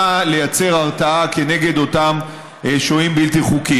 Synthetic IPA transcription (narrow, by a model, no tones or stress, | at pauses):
ale̞jat͡se̞ʁaʁtaake̞ne̞ɡe̞d̪o̞tam | ʃoimbilt̪iχuki